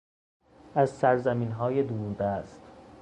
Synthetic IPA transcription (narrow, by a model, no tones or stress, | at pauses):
æzsæɾzæmiːnɦɒːjed̪uːɾd̪æst̪